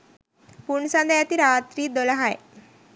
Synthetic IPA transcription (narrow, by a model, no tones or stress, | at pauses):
puɳsãnd̪ajat̪iːɾat̪ɾiːd̪olaɦaj